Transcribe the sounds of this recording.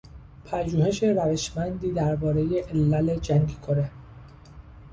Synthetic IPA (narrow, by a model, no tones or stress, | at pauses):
pʰæʒuːhe̞ʃe̞ɾæveʃmænd̪iːd̪æɾbɒːɾe̞je̞ʔelːæled͡ʒæŋɡkʰoɾe